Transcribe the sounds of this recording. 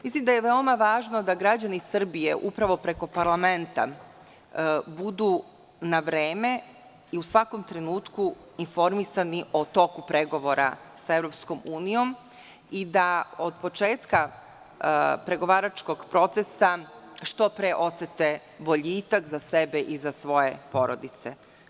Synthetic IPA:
mislimd̪ajeʋeo̞maʋaːʒno̞d̪aɡɾad͡ʑanisr̩bije̞̰ʔupɾaʋo̞pɾe̞ko̞paɾlˠame̞nt̪a̰ | bud̪u | naʋɾeːme̞ | iusʋako̞mt̪ɾe̞nuːt̪ku | info̞ɾmisaniʔo̞t̪o̞kupɾe̞ɡo̞ʋo̞ɾʔa̰ | saevɾo̞psko̞muːnijo̞m | id̪aod̪̚po̞t͡ʃe̞ːt̪ka | pɾe̞ɡo̞ʋaːɾat͡ʃko̞ɡpɾo̞t̪sesa | ʃt̪o̞pɾeʔo̞set̪e̞ | bo̞ʎiːt̪akzasebe̞ʔizasʋo̞je̞po̞ɾod̪it̪se̞̰

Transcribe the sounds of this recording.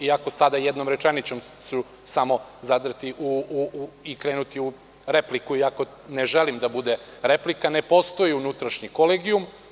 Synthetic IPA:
iako̞sad̪ajed̪no̞mɾet͡ʃenit͡ɕo̞m | su | samo̞zad̪r̩t̪iʔuuikɾe̞ːnut̪iu | ɾeplikuiako̞ | neʒelimd̪abud̪eɾe̞plikanepo̞st̪o̞jiunut̪ɾaʃɲikoleɡium

